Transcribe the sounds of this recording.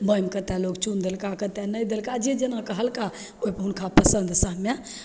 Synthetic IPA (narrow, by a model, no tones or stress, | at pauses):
bəjmkət̪ɛlokt͡ʃund̪elkakət̪ɛnəjd̪elkad͡ʒed͡ʒenakəɦəlka | opəɦunkʰapəsənd̪səɦme